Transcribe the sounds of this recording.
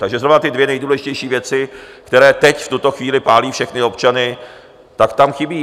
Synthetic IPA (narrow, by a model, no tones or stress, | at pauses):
t̪aɡʒɛzɾovnat̪ɪdvjɛnɛjduːlɛʒɪcɛjʃiːvjɛt͡sɪkt̪ɛɾɛːt̪ɛcft̪ut̪o̞xviːlɪpaːliːfʃɛxnɪo̞pt͡ʃanɪ | t̪akt̪amxɪbiː